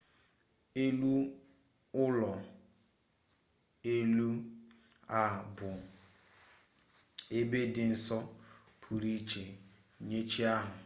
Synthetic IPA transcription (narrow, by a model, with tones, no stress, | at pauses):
e˦lu˦ | ʊ˦lɔ˨ | e˦lu˦ | a˨bʊ˨ | e˦be˦dɪ˨n̩˨sɔ˦ | pʰu˨ɾi˦t͡ʃe˨ | ɲe˦t͡ʃi˦a˦ɦʊ˨